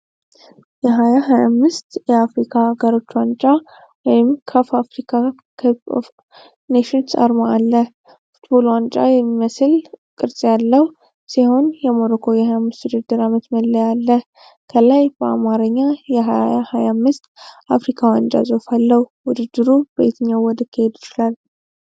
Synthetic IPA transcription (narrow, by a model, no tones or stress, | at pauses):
jɛɦajaɦajamːɨst̪jɛafɾikʰaɡəɾo̞t͡ʃːwant͡ʃʼa | wɔjɪmkʰəfafɾikʰa | kʰəpo̰f | neʃinsa̰ɾmaalːə | fu̥t̪bo̞lwant͡ʃʼa̰jɛmːiməsɨlkʼɨɾsʼjalːəhu | siho̞njɛmo̞ɾokʰo̞jɛhajamːɨst̪wud̪ɨɾd̪ɨɾamət̪məlːəjalːə | kʰəlajb̥əamaɾəɲːajɛɦaahajamːɨst̪afɾikʰawant͡ʃʼa̰zʼofalːəhwʊd̪ɨd̪ːɨɾubəjt̪ʰəɲːawɔd̪ɨkʰːihe̞d̪jɪt͡ʃɪlal